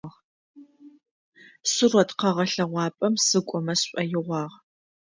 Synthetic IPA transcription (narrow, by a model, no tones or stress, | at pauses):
ʁ | sɨrɔtqɐʁɐɬɐʁʷɑːpʼɐmsɨkʷʼɔmɐsɕʷʼɐjɪʁʷɑːʁ